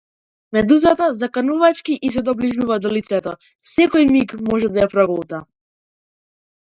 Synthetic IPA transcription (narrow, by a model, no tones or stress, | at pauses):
mɛd̪uzat̪azakanuvat͡ʃkiʔis̬ɛd̪ɔbliʒuvad̪ɔlit̪sɛt̪ɔ | sɛkɔjmikmɔʒɛd̪ajapɾaɡɔlˠt̪a